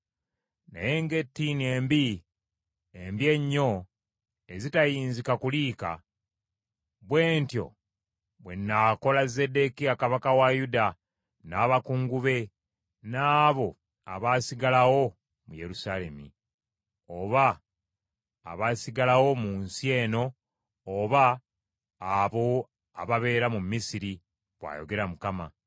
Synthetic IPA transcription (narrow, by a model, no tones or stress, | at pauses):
na̰jeŋɡe̞tːinie̞ːmbi | embje̞ɲːo̞ | e̞zitajiːnzikakuliːka̰ | βwe̞ːntjo̞̰ | βwe̞nːako̞laze̞de̞kiakaβakawajuda | naːβakuŋɡuβe̞ | naːβo̞ | aβaːsiɡalawo̞ | muje̞ɾusaːle̞mḭ | oβa | βaːsiɡalawo̞muːnsie̞ːno̞ː | βaː | βo̞ | aβaβe̞ːɾamumːisiɾi | βwa̰ːjo̞̰ɡe̞ɾamukama̰